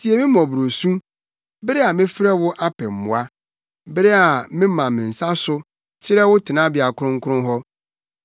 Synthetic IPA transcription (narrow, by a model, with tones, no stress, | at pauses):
tʰi˨e˨mɪ̃˦mɔ̃˨bɾo˨sũ˦ | bɪ˦ɾɛ˦a˨mɪ̃˦fɾɛ˦wʊ˦ʔa˦pʰɛ˨m̩˨mʊ̰̃˨a˦ | bɪ˦ɾɛ˦a˨mɪ̃˦mã˨mɪ̃˨n̩˨sa˦sʊ˦ | t͡ɕʰɪ˦ɾɛ˦wʊ˦tʰɪ˨nã˦bɪ˨a˨kʰʊ˦ʊ̃˦ŋ̩˦kʰʊ˦ʊ̃˦ɦɔ˦